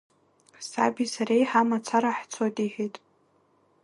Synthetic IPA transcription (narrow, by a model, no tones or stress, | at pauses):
sa̰bisaɾejħamat͡sʷʰaɾaħt͡sʰojtʼiħitʼ